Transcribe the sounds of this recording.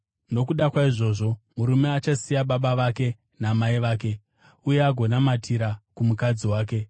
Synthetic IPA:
no̞kuɗakwaiʐo̞ːʐo̞muɾumeat͡ʃasijaɓaɓaʋake̞ | namaiʋaːk̬e̞ | ujeaɡʱo̞namatʰiɾakumukad͡ziwaːk̬e̞

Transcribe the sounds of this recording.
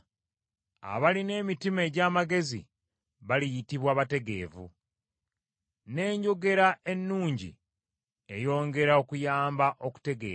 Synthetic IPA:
a̰βaline̞ːmitime̞ːɟaːmaɡe̞zḭ | βalijitiβwaːβate̞ɡe̞̰ːvṵ | ne̞ːɲɟo̞ɡe̞ɾaʔe̞nːuːɲɟḭ | e̞jo̞ːŋɡe̞ɾao̞kujaːmbaʔo̞ku̥te̞ɡḛː

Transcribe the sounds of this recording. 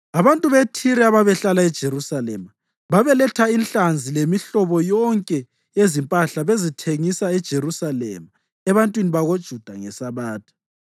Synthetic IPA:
aβantʼuβetʰiɾɛaβaβɛɬalaɛd̥ʒ̥ʱerusalɛ̰ma | βaβɛlɛtʰainɬand͡zʱilemiɬɔβɔjɔŋkʼɛ | ezimpʼaɬaβezitʰeŋisaɛd̥ʒ̥ʱerusalɛ̰ma | ɛβantʼwiniβaɣod̥ʒ̥ʱud̥ʱaŋɛsaβaːtʰʼḁ

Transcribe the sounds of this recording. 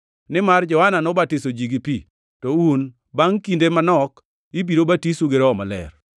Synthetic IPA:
nɪmard͡ʒɔhananɔbatɪsod͡ʒiɡipi | tɔun | baŋkindemanɔk | ibiɾobatisuɡeɾɔmalɛ̰r

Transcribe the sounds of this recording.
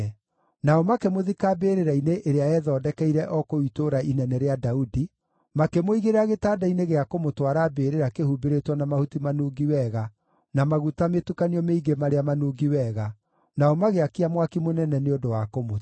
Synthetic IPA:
naɔmakemoðikaːbeːɾeɾaineʔeɾeaɛðɔːdɛkɛiɾɛʔɔkoitoɾaʔinɛnɛɾeadaudi | makemoiɣeɾeɾaɣetaːdaineɣeakomotwaɾaːbeːɾeɾakehubeɾetwɔnamahutimanuːɡiwɛɣa | namaɣutametukaniɔmeiɡemaɾeamanuːɡiwɛɣa | naɔmaɣeakiamwakimonɛnɛneodowakomo

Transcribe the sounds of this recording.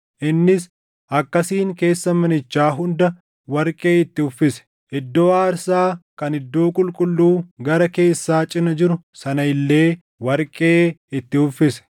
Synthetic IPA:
ʔɪnːɪs | ʔɐkːɐsiːŋke̞ːsːɐmɐnɪt͡ʃːaːɦʊnd̪ɐ | wɐɾkʼe̞ːɪt̪ːɪhʊfːɪsɛ̥ | ʔɪd̪ːo̞ːaːɾsaːkɐnɪd̪ːo̞ːkʼʊlkʼʊlːuːɡɐɾɐke̞ːsːaːt͡ʃʼɪnɐd͡ʒɪɾʊsɐnɐɪlːe̞ː | wɐɾkʼe̞ːɪt̪ːɪhʊfːɪsɛ̥

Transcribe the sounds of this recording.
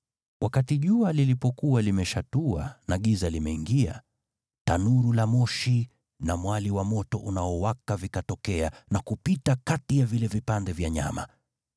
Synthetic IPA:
wʔakatiʄualilipɔkuwalimɛʃatua̰naɠizalimɛiŋɡia̰ | tanuɾulamɔʃi | namwaliwamɔtɔʔunaɔwakavikatɔkɛanakupitakatijavilɛvipandɛvjaɲa̰ma̰

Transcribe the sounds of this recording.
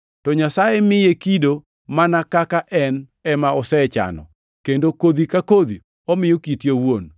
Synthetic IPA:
tɔɲasajemɪjekido | manakakaʔɛn | ɛmaɔsɛt͡ʃa̰nɔ̰ | kendokod̪ikakod̪i | ɔmɪjokitjowon

